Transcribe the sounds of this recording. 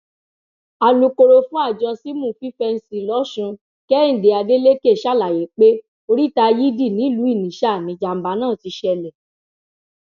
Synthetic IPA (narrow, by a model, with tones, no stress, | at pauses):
a˨lu˧ko˧ɾo˧fũ˦a˦˨d͡ʒɔ˧si˦mũ˦˨˦fi˦fɛ˧n̩˦si˨lɔ˨˦ʃũ˧ | kɛ˦n̩˨de˨a˧de˦le˦ke˦˨ʃa˦˨la˨je˨˦k͡pe˦ | o˧ɾi˦ta˧ji˦di˦˨nĩ˨˦˨lu˨˦i˦˨nĩ˨ʃa˦˨nĩ˨˦d͡ʒa˧m̩˨˦ba˨˧˦nãː˦˨ti˧˦ʃɛ˧lɛ˨